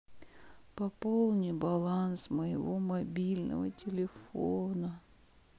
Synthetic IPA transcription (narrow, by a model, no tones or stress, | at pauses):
pɐpolˠnʲɪjbɐlˠansməjɪ̰vo̞mɐbʲilʲnə̰və̰tʲɪlʲɪfonə